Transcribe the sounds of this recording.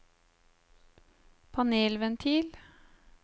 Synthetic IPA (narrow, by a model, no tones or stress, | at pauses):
pʰɑneːlʋɛnt̪ʰiːl